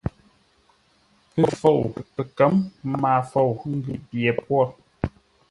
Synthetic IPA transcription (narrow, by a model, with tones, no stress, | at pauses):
pə˦fo˦˨wpə˨kə˨˦mmaː˨fo˦˨wŋ̩˦ɡʉ˨bjɛ˨pwɔ˦˨